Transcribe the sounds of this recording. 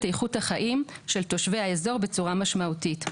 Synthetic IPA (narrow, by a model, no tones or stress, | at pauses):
tejχuthaχaʔimʃe̞lto̞ʃveaezo̞ʁbe̞t͡suʁamaʃmautit